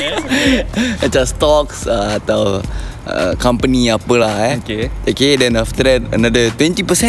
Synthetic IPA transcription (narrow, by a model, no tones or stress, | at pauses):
ət͡ʃast̪ɔksəat̪aw | ə̰kampəniapəlahkeokedɛ̃naft̪əɾɛt̚ə̰nadət̪wɛ̃nt̪ipəsɛ̃